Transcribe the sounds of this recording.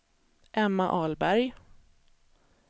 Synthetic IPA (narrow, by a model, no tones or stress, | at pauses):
ʔɛmːaʔɑːlbæɾj